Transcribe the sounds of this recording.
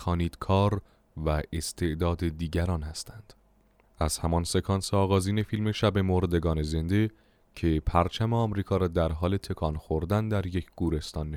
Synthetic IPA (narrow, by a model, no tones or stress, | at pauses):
xɒːniːd̪̥kʰɒːɾ | væe̞st̪ʰe̞ʔd̪ɒːd̪e̞d̪iːɟæɾɒːnhæst̪ʰænd̪̥ | æz̥hæmɒnse̞kʰɒnseɒːɣɒːziːne̞fiːlme̞ʃæbe̞moɾd̪e̞ɡɒːne̞ze̞nd̪e̞ | cʰe̞pʰæɾt͡ʃʰæmeɒːmɾiːkʰɒːɾɒːd̪æɾɦɒːle̞t̪ʰe̞kʰɒːnxoɾd̪ænd̪æɾje̞cʰɡ̥uːɾe̞st̪ɒːnːe